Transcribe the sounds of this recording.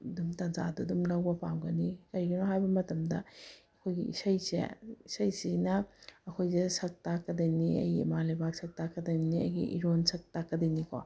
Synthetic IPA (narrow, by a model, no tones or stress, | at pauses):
dumtɐnza̰dudumlɐwbɐpamɡɐnikɐɾiɡinoɦajbɐmɐtɐmdɐɐkʰojɡiḭsɐjsḛisɐjsinɐɐkʰojzesɐk̚takːɐdɐjniɐ̰jɡiimalɐjbaksɐk̚takːɐdɐjniɐ̰jɡḭʔḭɾonsɐk̚takːɐdɐjnikʰo̰